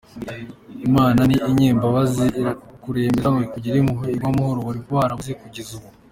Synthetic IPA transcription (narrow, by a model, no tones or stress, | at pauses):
imaːnaniʔːɲeːmbaβaziiɾkuɾe̞ːmbeɾaŋekuɟiɾemuɦoiɡwamuhoɾowaɾiɡwaːɾauzikuɟizuβu